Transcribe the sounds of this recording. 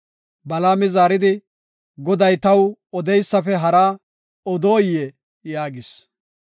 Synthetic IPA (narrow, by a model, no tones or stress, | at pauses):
bɐlaːmɪzaːɾɪd̪ɪ | ɡɔd̪ɐjt̪ɐwɔd̪ɛjsːɐfɛɦɐɾaː | ɔd̪oːjɛ | jaːɡɪs